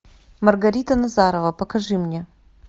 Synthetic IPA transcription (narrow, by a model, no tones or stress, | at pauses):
mɐrɡɐɾʲit̪ənɐzaɾəvəpəkɐʐɨmnʲe